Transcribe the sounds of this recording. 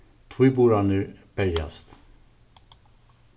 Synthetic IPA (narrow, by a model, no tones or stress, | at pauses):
t̪ʰvujbuɾanəɾbɛɾja̰st̪